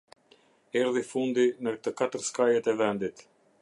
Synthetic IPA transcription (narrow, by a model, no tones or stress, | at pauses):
ɛɾðifund̪inət̪əkat̪əɾskajɛt̪ɛvɛnd̪it̪